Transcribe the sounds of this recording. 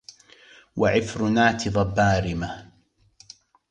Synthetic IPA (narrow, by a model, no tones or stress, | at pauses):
waʕɪfɾʊnaːt̪ɪðˤɑbaːɾɪma